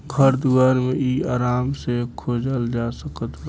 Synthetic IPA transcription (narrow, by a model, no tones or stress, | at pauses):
kʰəɾd̪ʊɡaːɾmẽiːaːɾaːmsekʰoːd͡ʒəld͡ʒaːsəkət̪